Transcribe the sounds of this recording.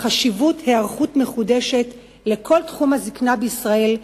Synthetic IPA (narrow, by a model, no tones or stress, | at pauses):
χaʃivuthe̞aʁχutme̞χude̞ʃe̞t | le̞kʰo̞ltχumhaziknabeisʁae̞l